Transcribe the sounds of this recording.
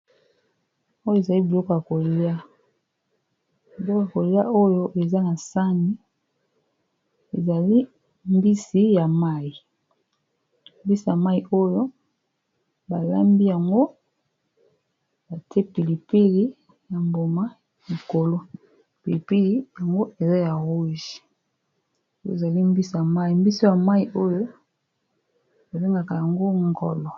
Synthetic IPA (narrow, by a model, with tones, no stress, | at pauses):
o˦jo˦e˨za˨li˦bi˨lo˦ko˨ja˨ko˨lja˦ | bi˨lo˦kja˨ko˨lja˦o˦jo˦ʔe˨za˦na˨sa˦ni˦ | e˨za˨li˦ | mbi˦si˦ja˨ma˦ji˨ | mbi˦si˨ja˨ma˦i˨ʔo˦jo˦ | ba˨la˦mbi˦ja˨ŋɡo˦ | ba˨te˦pi˨li˨pi˦li˦ | ja˨mbo˨ma˦ | li˨ko˨lo˦ | pi˨li˨pi˦li˦ja˨ŋɡo˦ʔe˨za˦ja˨ʁu˦ʒi˨ | o˦jo̰˦˨za˨li˦mbi˦sja˨ma˦i˨mbi˦so˦ja˨ma˦i˨ʔo˦jo˦ | ba˨be˦ŋɡa˨ka˨ja˨ŋɡo˦ŋɡɔ˨lɔ˨